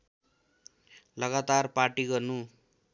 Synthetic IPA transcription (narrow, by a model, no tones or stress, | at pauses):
lʌɡat̪arparʈiɡʌrnu